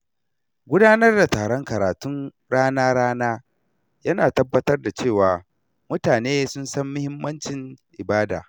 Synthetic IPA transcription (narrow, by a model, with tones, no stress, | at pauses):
ɡʷʊ˦daː˦nɐ˦rda˨taː˨ɽɔ˦ŋkɐ˨ɾaː˨tʊ˦n | ɽaː˦naː˦ɾaː˦naː˦ | jɐ˦naː˨tɐ˦bːɐ˦tɐ˦rda˨t͡ʃeː˦˨waː˨ | mʊ˦taː˨neː˦sʊ˦nsɐ˦mːʊ˦hɪ˦mːɐ˦nt͡ʃɪ˨nʔɪ˨baː˦da̰ː˨